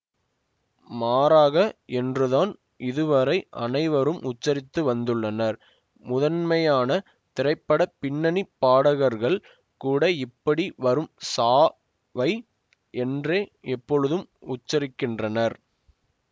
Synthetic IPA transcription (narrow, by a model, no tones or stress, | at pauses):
maːɾaːɣɐɛndrɯðaːn | ʔɪðɯʋɐɾɐɪʔɐ̰nɐɪʋɐɾɯmʔʊt͡ʃːɐɾɪt̪ːɯʋɐnd̪ɯɭːɐnɐɾ | mʊðɐnmɐjaːnɐ | t̪ɪɾɐɪpːɐɽɐpɪnːɐnipːaːɽɐɣɐɾɣɐɭ | kuːɽɐɪpːɐɽiʋɐɾɯmsaː | ʋɐɪ | ɛndreːɛpːɔɻɯðɯmʊt͡ʃːɐɾɪkːɪndrɐnɐɾ